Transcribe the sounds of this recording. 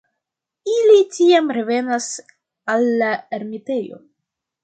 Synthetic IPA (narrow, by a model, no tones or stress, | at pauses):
ilitiamɾe̞ve̞nas | alːaeɾmite̞jo̞̰